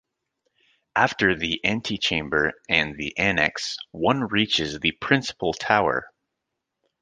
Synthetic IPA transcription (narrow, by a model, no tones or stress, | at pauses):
ʔæftə˞ðiʔæ̃ntʰit͡ʃʰẽɪ̃mbə˞ɨ̃nðḭʔænɛ̰kswʌ̃nɹit͡ʃɪzðɨpʰɹ̥ɪ̃nsə̥pl̩ˠtʰaʊə̰˞